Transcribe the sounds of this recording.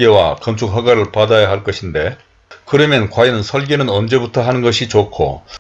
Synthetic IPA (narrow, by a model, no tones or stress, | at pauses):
ɡe̞wa̰kʌnt͡ɕʰuk̚ɦaɡaɾɯɭpadajaɦaɭk͈ʌɕʰinde̞ | kɯɾʌmjʌnkwajinɯnsʰʌɭɡenɯnʌnd͡ʑe̞butʰʌɦanɯnɡʌɕʰit͡ɕokʰo̰